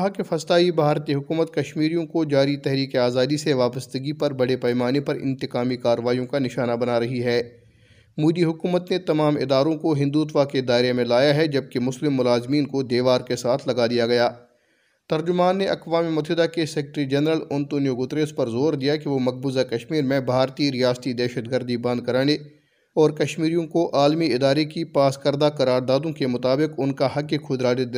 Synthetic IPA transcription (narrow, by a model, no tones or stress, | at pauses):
kɐɦakefɐst̪aːibʱaːɾt̪iɦʊkuːmət̪̚kɐʃmiːɾijõkod͡ʒaːɾit̪ɛɦɾiːkeaːzaːd̪iseʋaːpəst̪əɡipɐɾbɐɽepɛːmaːnepɐɾɪ̰̃nt̪ɪkaːmikaːɾəʋaːijõkanɪʃaːnabɐnaːɾɐɦiɦɛː | muːd̪iɦʊkuːmət̪net̪ɐmaːmɪ̰d̪aːɾõkoɦɪ̃nd̪uːt̪ʋaked̪aːɪɾemẽlaːjaɦɛd͡ʒɐb̚kemʊslɪmːʊlaːzmiːnkod̪eːʋaːɾkesaːt̪ʰlɐɡad̪ijaɡɐjaː | t̪ɐɾd͡ʒʊmaːnːeʔɐqʋaːmimʊt̪ʰɦɪd̪akesɛːkʈɾid͡ʒɛnɾəlʊnt̪oːnijoɡʊt̪ɾeːspɐɾzoːɾd̪ijakiʋomɐk̚buːzakɐʃmiːɾmẽbʱaːɾt̪iɾijaːst̪id̪ɛːʃət̪ɡəɾd̪ibɐ̃nd̪̚kɐɾaːñe | ɔːɾkɐʃmiːɾijõkoʔaːlmiɪd̪aːɾekipaːskɐɾd̪akɐɾaːɾd̪aːd̪õkemʊt̪aːbɪqʊnkaɦɐkːekʰʊd̪ɾaːd̪ɪ